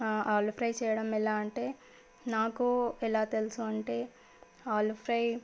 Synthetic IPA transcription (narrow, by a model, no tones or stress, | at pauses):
aːlpʰɾɐjt͡ʃɛːjɐɽɐmɛlaːɐɳʈeː | naːkuɛlaːt̪elusuɐɳʈeː | aːlpʰɾɐj